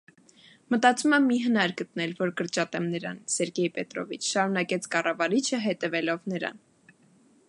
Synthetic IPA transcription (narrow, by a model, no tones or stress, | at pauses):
mət̪ɑt͡sumɛmiɦənɑɾɡət̪nɛlvɔɾkəɾt͡ʃɑt̪ɛmnəɾɑ̰nsɛɾɡɛjpɛt̪ɾɔ̰vit͡ʃʰʃɑɾunɑkɛt͡sʰkɑrɑvɑɾit͡ʃʰəɦɛt̪ɛvɛlɔvnəɾɑ̰n